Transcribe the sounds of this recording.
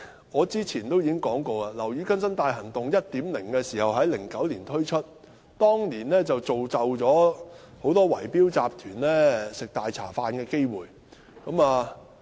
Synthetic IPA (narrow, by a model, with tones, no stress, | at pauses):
ŋɔː˨˧t͡siː˥t͡sʰiː˨˩nt̪o˥wjiː˨˥ɪ˥ŋkɔː˨˥ŋkoː˧aː˧lɐ˨˩wjy˨˧˥kɐ˥nsɐ˥nt̪aː˧jɦɐ˨˩ŋt̪ʊ˨ŋjɐ˥t̚t̪iː˨˥mlɪ˨˩ŋkɛː˧siː˨˩hɐ˨wɦɐ˨˥jlɪ˨˩ŋkɐ˨˥wliː˨˩nt̪ʰɵ˥ɥt͡ʃʰɵ˥t̚ | t̪ɔː˥ŋliː˨˩nlɛː˥t͡sɐ˨wt͡so˨wt͡sɐ˨wt͡ʃɔː˨˥ | ho˨˥wt̪ɔː˥wɐ˨˩jpiː˥wt͡saː˨p̚t̪ʰyː˨˩nlɛː˥sɪ˨k̚t̪aː˨jt͡sʰa̰ː˨˩faː˧nkɛː˧ke˥jwuː˨j | kɐ˨˥maː˨˧